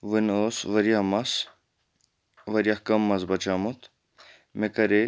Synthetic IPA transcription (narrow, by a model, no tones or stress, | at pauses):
ʋɨnoːsʋɐɾijamɐs | ʋɐɾjakɐmːɐzbɐt͡ʃaːmut̪ | mekɐɾe